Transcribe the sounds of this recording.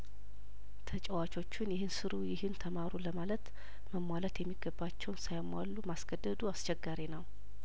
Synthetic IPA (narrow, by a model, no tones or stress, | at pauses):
t̪ʰət͡ʃʼɛwat͡ʃʼo̞t͡ʃːɪnjɪhɨnsɨɾujɪhɨnt̪ʰəmaɾuləmalət̪ | məmwalət̪jɛmːiɡəbːat͡ʃːɛwnsajmwa̰lːumasɡ̥əd̪ːəd̪uast͡ʃɛɡːaɾinəw